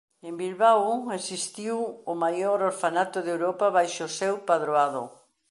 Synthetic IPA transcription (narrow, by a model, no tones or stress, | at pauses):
embilβawesist̪iwʊmajoɾoɾfanat̪oðewɾɔpaβajʃosewpaðɾoaðo̰